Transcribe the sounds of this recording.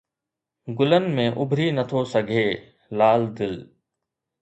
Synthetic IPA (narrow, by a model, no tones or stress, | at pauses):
ɡʊlənɪ̆mẽːʔʊbʱɾinət̪ʰosɐɡʱeː | laːld̪ɪl